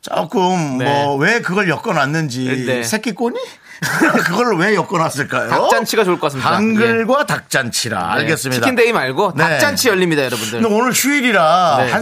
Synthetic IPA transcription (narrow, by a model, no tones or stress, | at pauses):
t͡ɕo̰k͈ɯmːʌwe̞kɯɡʌɭjʌk͈ʌnanːɯnd͡ʑisʰe̞k͈ik͈oɲi | kɯɡʌɭwe̞jʌk͈ʌnas͈ɯɭk͈ajoak̚t͡ɕ͈ant͡ɕʰiɡat͡ɕoɭkkk͈asɯaŋɡɯɭɡwatak̚t͡ɕ͈ant͡ɕʰiɾa̰a̰ɭɡes͈ɯmɲidaindeimaɭɡonakt͡ɕ͈ant͡ɕʰijʌʎːimɲidajʌɾʌbundɯɯndeonɯɭɕʰuiɾiɾaa